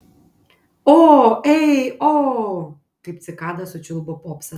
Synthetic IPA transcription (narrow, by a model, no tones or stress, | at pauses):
oɛjo | kɐɪp̚t̪sʲɪkaːd̪ɐsʊt͡ʃʲʊlˠbɔpɔpsɐ